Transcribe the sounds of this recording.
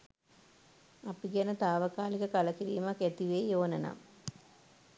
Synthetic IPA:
ɐpiɡjɐnɐt̪aːʋɐkaːlikɐkɐlɐkiɾijmɐket̪iʋeːjoːnɐna̰m

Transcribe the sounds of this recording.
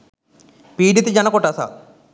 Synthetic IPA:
piːɖit̪ːid͡ʑɐnɐkoʈːaːsa̰

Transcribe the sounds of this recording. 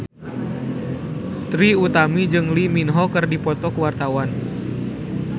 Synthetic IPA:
t̪ɾiut̪amid͡ʒɨŋliminɦɔkɨrdipɔt̪ɔkəwart̪awan

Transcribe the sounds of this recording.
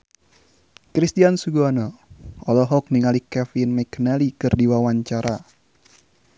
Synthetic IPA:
kɾist̪iansuɡuanɔɔlɔɦɔk̚niŋalikɛfinmakənalikɨrdiwawaɲt͡ʃaɾa

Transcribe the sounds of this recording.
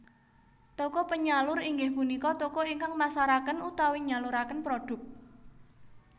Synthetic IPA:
t̪okɔpəɲalʊɾiŋɡɪhpunikɔt̪okɔiŋkaŋmasaɾakənut̪awiɲaluɾakənpɾoɖ̥ʊ̤k̚

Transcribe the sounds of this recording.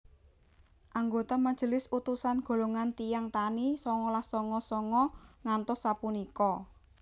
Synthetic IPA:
ʔaŋɡot̪amad̥ʒ̥əlɪsut̪usanɡ̥o̤loŋant̪ijaŋt̪anisɔŋɔlahsɔŋɔsɔŋɔŋant̪ɔsːapunikɔ

